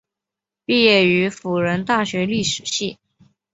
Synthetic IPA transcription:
pi˥˧jɛ˥˩y˧˥fu˨˩ɻə˧˥nt̪a˥˩ɕɥɛ˧˥li˥˩ʂɻ̩˨˩ɕi˥˩

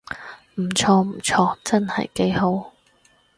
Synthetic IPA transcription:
m̩˨˩t͡sʰɔː˧m̩˨˩t͡sʰɔː˧t͡sɐ˥nhɐ̰˨jke˨˥jɦo˨˥w

